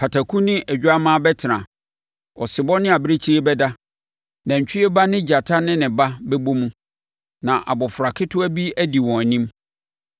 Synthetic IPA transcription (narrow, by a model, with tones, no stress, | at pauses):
pʰa˨tʰa˨kʰũ˦nɪ̃˦ʔæ˨d͡ʑᶣa˦mãː˦bɛ˦tʰɪ˨nã̰˨ | ɔ̰˨sɪ˨bɔ˦nɪ̃˦a˨bɪ˦ɾe˦t͡ɕʰi˦ɾe˦bɛ˦da˦ | nã˨ɲ̩˨t͡ɕᶣɪ˦ɛ˦ba˦nɪ̃˦d͡ʑa˨tʰa˦nɪ̃˦nɪ̃˨ba˦bɛ˦bo˦mũ˦ | nã˨ʔa̰˨bɔ˨fʊ˨ɾa˨kʰɪ˦tʰʊ˦æ˦bi˦æ˦di˨wɔ̃˨æ˨nĩ˦m